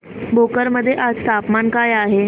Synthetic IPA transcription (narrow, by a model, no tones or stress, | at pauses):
bokəɾməd̪ʱːjeʔad͡zt̪ʰapmankajaɦe